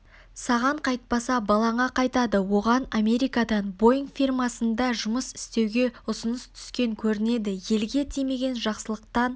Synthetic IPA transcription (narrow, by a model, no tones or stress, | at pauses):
sɑʁɑɴqʰɑjt̪̚pɑsɑbɑlˠɑɴɑqʰɑjt̪ɑd̪əwo̞ʁɑname̞ɾijkad̪ɑnbo̞jɪŋkfijrmɑsənd̪ɑʒʊməsɪ̥st̪e̞wɡʲe̞ʊsənəst̪ʰʏ̥skʲe̞ŋkʲʰɵɾɪne̞d̪ɪje̞lɡʲe̞t̪ʰijme̞ɡʲe̞nʒɑqsəlˠəq̚t̪ɑn